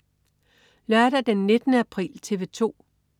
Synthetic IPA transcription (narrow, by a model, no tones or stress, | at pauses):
læd̥ɐd̥enːe̝d̥ənəæpʰʁḭːlt͡sʰe̝ʋe̝t͡sʰo̝̰ː